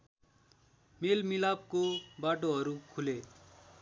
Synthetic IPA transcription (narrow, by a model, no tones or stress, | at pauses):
meːlmɪlaːp̚kobaːʈ̬oɦəɾukʰuleː